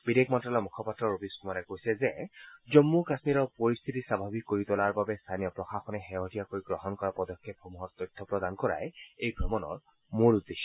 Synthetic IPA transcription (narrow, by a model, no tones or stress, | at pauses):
bid̪ekmɔntɹalɔmukʰɔpat̪ɹɔɹobiskumaɾɛkojsɛzɛzɔmːukasmiɾɔpoɹist̪ʰit̪isabʱabʱikːoɹit̪ɔlaɹbabɛst̪ʰanijɔpɹɔxaxɔnɛxɛɦɔtijakojɡɹɔɦɔnkɔɹapɔd̪ɔkʰːepɔmuɦɔɹt̪ɔjt̪ʰːɔpɹɔd̪ankɔɹa̰jejbʱɔmɔnɔ̰ɹ | moɹud̪ːeʃːɔ